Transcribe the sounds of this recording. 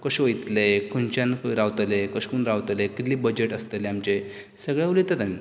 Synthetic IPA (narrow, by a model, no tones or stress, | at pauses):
kəɕʋəjt̪lekʰunt͡ɕjankɾawt̪lekəɕkuːnɾawt̪lekit̪libəd͡ʑeʈəst̪eleamt͡ɕe | səɡɭjaʋulit̪et̪ami